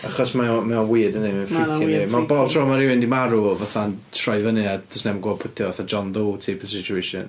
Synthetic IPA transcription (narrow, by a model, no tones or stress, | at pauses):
aχɔsmaɔmaɔwiːdənɨmɛnfikəimabɔ̥ːtʰrɔːmaɾɪwɪndimaɾuvaθantʰrajðvənɨadəsnɛmnɡoːpʰʊtʰjɔvaθad͡ʒɔnðoːtʰipʰəsɪt͡ʃuejʃɔ̰n